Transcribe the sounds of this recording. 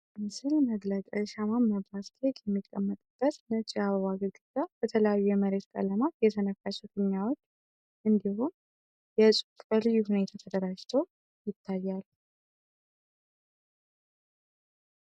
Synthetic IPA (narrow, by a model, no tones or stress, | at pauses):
mɨsɨlməɡləkʼəʃamamːəbask̪ʰekjɛmːikʼːəmːət̪ʼɨb̥ːət̪nət͡ʃʼiaβəβaɡəɡɨzab̥ət̪ʰələjajːujɛməɾe̞t̪kʼə̰ləmat̪jɛt̪ʰənəkːat͡ʃːɛfɨnːawo̞t͡ʃː | ʔɨnd̪ihu | jɛsʼukʼəlɨjːuhune̞t̪ʰat̪ʰəd̪əɾad͡ʒt̪ʰəw | jɪt̪ʰːajːal